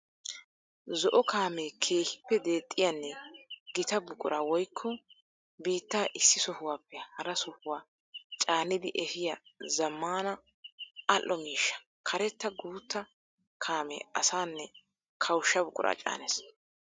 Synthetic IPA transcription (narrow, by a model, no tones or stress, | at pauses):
zɔʔɔkʰaːmeːkʰe̞ːhɪ̥pːɛd̪e̞ːt̪ʼːɪjɐnːɛɡɪt̪ɐbʊkʼʊ̰ɾaːwɔjkʰːɔ | biːt̪ːaːʔɪsːɪsɔhʊwaːpːɛhɐɾɐsɔhʊwaː | t͡ʃʼaːnːɪd̪ɪʔɛhɪjɐzɐmːaːnɐ | ɐlʔːɔmiːʃːɐ̥ | kʰɐɾɛt̪ːɐɡuːt̪ːɐ | kʰaːmḛːɐ̰saːnːɛ | kʰɐwʃːɐbʊkʼʊ̰ɾʔa̰ːt͡ʃʼa̰ːnes